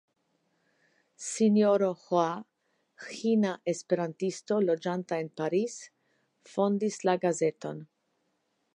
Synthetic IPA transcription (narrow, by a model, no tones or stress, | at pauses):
sinjoɾo̞hoa | xinaʔe̞spe̞ɾantisto̞lo̞d͡ʒantae̞npaɾis | fo̞ndislaɡaze̞to̞̰n